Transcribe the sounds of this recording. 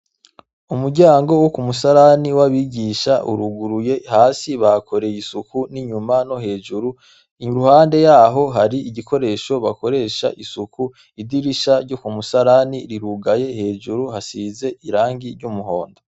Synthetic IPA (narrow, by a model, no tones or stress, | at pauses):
umuɾɟaːŋɡo̞wokumusaɾaniwaβiɟiʃaʔṵɾuɡuɾuje̞haːsiβakʰo̞ɾe̞jisukuniɲumano̞ɦe̞ːʒuɾu | ɾuhaːnde̞jaːɦo̞ɦaɾiʔiɟikʰo̞ɾe̞ːʃo̞βako̞ɾe̞ːʃa̰ʔisuku | idiɾiʃaɾɟo̞kumusaɾaniɾiɾuɡaje̞he̞ːʒuɾuhasize̞iɾaːŋɡiɾɟumuho̞ːndo